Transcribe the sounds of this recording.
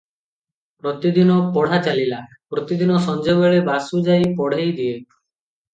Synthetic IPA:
pɾɔt̪id̪inɔpɔɽ̤at͡ʃalila | pɾɔt̪id̪inɔsɔnd͡ʒobeɭebasud͡ʒajpɔɽ̤ejd̪ie

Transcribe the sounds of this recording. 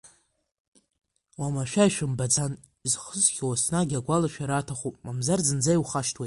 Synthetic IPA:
wamaʃᶣajʃᶣʊmbad͡zan | izχəzχʲʰawasnaɡʲaɡʷalaʃᶣaɾatʰaχupʼmamzarzɨnd͡zajwχaʃtʰwetʼ

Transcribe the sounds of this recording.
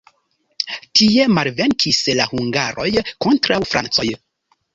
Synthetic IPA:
tie̞malve̞ŋkʰislahuŋɡaɾo̞jko̞ntɾawfɾa̰nt͡so̞j

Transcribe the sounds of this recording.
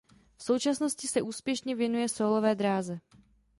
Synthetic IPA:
fso̞wt͡ʃasno̞scɪsɛʔuːspjɛʃɲɛvjɛnujɛsoːlo̞vɛːd̪ɾaːzɛ

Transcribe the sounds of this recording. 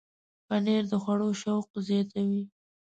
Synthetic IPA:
paneɾd̪əxwaɽoʃawq̚zjɑt̪awi

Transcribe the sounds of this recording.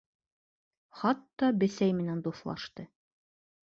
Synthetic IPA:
χɑt̪ːɑbɘ̆sæjmɘ̆nænd̪uθlˠɑ̰ʃt̪ɤ

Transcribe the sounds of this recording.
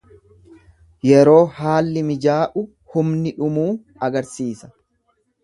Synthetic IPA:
jɛɾo̞ːhaːlːɪmɪd͡ʒaːʔʊ | hʊmnɪᶑʊmuː | ɐɡɐɾsiːsɐ

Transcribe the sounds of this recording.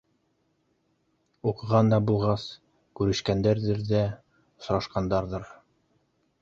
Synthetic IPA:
uqɤ̆ʁɑnd̪ɑbulˠʁɑs | kʉɾɘ̆ʃkænd̪æɾðɘɾðæ | ŏs̆ɾɑʃqɑnd̪ɑɾðɤɾ

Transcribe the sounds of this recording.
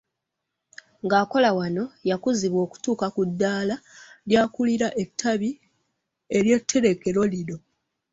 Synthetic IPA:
ŋɡaːko̞lawano̞jakuziβwo̞ːku̥tuːkakudːaːlaljaːkuliɾaʔe̞tʰːaβi | e̞ɾje̞tʰːe̞ɾe̞ke̞ɾo̞liɾo̞

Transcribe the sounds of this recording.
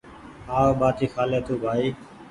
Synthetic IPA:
aːɓaːt̪ʰiːxaːleːt̪ʰuːbʱaːiː

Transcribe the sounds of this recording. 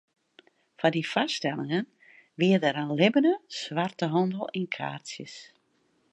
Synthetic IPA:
fadifastɛlˠɪŋən | ʋiədəɾanlɪbənəsʋartəɦɔndəlˠinkʰa̰ːrsjəs

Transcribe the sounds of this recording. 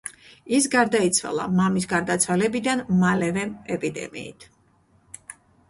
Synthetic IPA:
isɡaɾd̪ait̪sʰwa̰lˠa̰mamis̬ɡaɾd̪at̪sʰwalɛbid̪anmalɛvɛɛpʼid̪ɛ̰mḭːt̪ʰ

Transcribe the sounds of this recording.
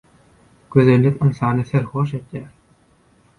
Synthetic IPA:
ɡ̥øðelʲːik̪ɯnsɑːnɯθeɾxoʃ̬et̪jæːɾ

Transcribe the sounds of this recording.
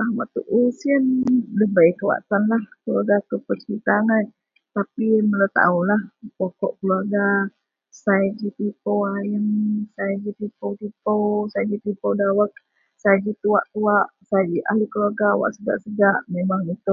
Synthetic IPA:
ahwa̰ʔt̪uʔusiənləbajkəwa̰t̪anlahkəluarɡakəpət͡ʃəɾit̪aŋan | t̪apiməlat̪a̰ulahpokɔʔkəluaɡa | sajad͡ʒit̪ipowajəŋsajad͡ʒit̪ipowt̪ipowsajad͡ʒit̪ipowdawak̚ | sajad͡ʒit̪uaʔt̪uaʔsajad͡ʒiʔalikəluaɡawa̰ʔsəɡa̰ʔsəɡaʔmemaŋit̪u

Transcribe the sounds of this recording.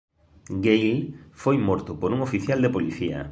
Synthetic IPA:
ɡejlfojmɔɾt̪ʊpoɾuŋofiθjald̪epoliθiɐ̰

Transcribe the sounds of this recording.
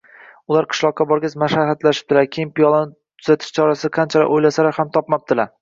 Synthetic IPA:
ʊlaɾqʰɨ̥ʃlˠɒqːɑbɒɾɡʲɪzmaʃahat̪laʃɪ̥p̚d̪̥ɪlaɾkʲʰejɪmpʰijɒlˠɪnɪt̪ʰʊz̥at̪ʰɪ̥ʃt͡ʃʰɒɾasɪqʰɑnt͡ʃʰalɪ̰ojlasalaɾhamt̪ʰɒpmɒp̚d̪ɪlaɾ

